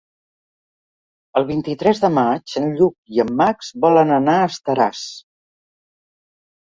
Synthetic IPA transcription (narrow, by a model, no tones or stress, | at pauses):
əlˠβ̞int̪it̪ɾɛzðəmat͡ʃənʎuk̚iəmːakzβɔlənənaəst̪əɾas